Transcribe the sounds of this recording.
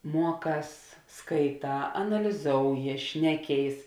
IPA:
ˈmuɔˌkɑːs skɐɪˈtɑː ɐnɐlʲɪˈzoːʊjɪ ˈʃʲnʲæːˌkʲeːɪs

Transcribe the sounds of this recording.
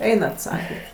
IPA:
ˈɛɪnɐt ˈsɑːkʲɛtʲ

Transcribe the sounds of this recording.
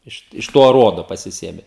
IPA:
ˈɪʃ ɪʃ ˈtoː ɐˈruɔdoː pɐsʲɪˈsʲeːmʲɛ

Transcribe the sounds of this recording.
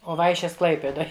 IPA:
oː ˈʋɐɪʃʲeːs ˈklˠɐɪpʲeːdoːj

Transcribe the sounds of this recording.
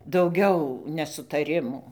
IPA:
dɐʊˈɡʲɛʊ nʲɛsʊtɐˈrʲɪmuː

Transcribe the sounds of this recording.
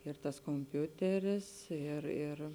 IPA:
ɪr tɐs koːmʲˈpʲʊtʲɛrʲɪs ɪr ɪr

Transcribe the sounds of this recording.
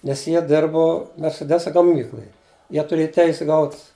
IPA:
ˈnʲɛs ˈjiɛ ˈdʲɪrbʊ mʲɛrʲsʲɛˈdʲæːsɐ ɡɐˈmʲiːklˠʊj ˈjiɛ tʊˈrʲeːjɛ ˈtʲɛɪsʲɛ ˈɡɐʊt

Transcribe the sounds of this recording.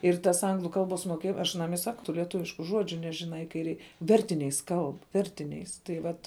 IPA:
ɪr tɐs ˈɐŋɡlˠʊ ˈkɐlˠˌboːs moːˈkʲeːj ɐʃ ɐˈnɐm ɪ ˈsɑːkʊ tʊ lʲiɛˈtʊʋʲɪʃkʊ ˈʒuɔd͡ʒʲʊ ˈnʲæːʒʲɪˌnɐɪ kɐɪ ˈrʲɛɪ ˈʋʲɛrʲtʲɪnʲɛɪs ˈkɐlˠp ˈʋʲɛrʲtʲɪnʲɛɪs tɐɪ ˈʋɐt

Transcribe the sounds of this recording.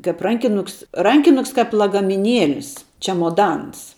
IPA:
kɐp ˈrɐŋʲkʲɪnʊks ˈrɐŋʲkʲɪnʊks kɐp lˠɐɡɐmʲɪˈnʲiɛlʲɪs ˈt͡ʃʲæːmoːdɐns

